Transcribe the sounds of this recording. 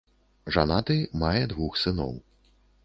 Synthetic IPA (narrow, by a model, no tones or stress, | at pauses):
ʐanat̪ɨmajɛd̪vuxsɨnɔ̰w